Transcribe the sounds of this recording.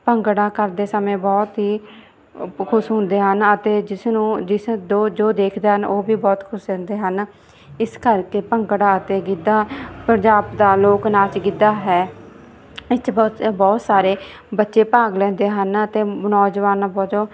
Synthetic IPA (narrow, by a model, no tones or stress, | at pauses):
pəŋkɽãːkəɾd̪eːsəmẽːbɔːt̪ɦiː | kʰʊsɦʊ̃nd̪eːɦənət̪eːd͡ʒɪsnũːd͡ʒɪsd̪oːd͡ʒoːd̪eːkʰd̪eːɦənoːbiːbɔːt̪kʰʊsɛ̃ːnd̪eːɦən | ɪskəɾkeːpəŋkɽaːət̪eːɡɪd̪aːpənd͡ʒaːbd̪aːloːknaːt͡ʃɡɪd̪aːɦɛː | ɪt͡ʃbɔːbɔːt̪saːɾeː | bətːʃeːpaːɡlɛ̃ːnd̪eːɦənət̪eːnɔːd͡ʒʋaːnabɔːt̪o